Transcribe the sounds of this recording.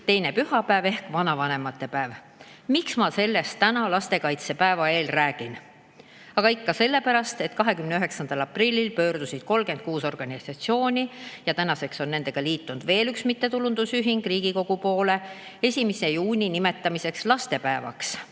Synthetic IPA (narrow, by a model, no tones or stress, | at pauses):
t̪e̞jne̞pyhɑpæeve̞hkvɑnɑvɑne̞mɑt̪ːe̞pæev | miksmɑse̞lːe̞st̪ːænɑlɑst̪e̞kɑjt̪se̞pæevɑe̞ːlræːɡ̥in | ɑɡ̥ɑikːɑse̞lːe̞pæɾɑst̪e̞t̪kɑɦe̞kymneyøɦe̞ksɑnd̪̥ɑlɑpˑrilʲːilpø̞ːrd̪̥usid̪̥̚ko̞lke̞nd̪̚kuːso̞rɡ̥ɑnʲisɑt̪sio̞ːnʲijɑt̪ænɑse̞kso̞nːe̞ne̞ɡ̥ɑliːt̪ːund̪̥ve̞ːlyksmit̪ːe̞t̪ulund̪̥usyɦiŋɡ̥riːɡ̥iko̞ɡ̥upo̞ːle̞ | e̞sʲimisejuːnʲinime̞t̪ːˑɑmise̞kslɑst̪e̞pæevɑ̰ks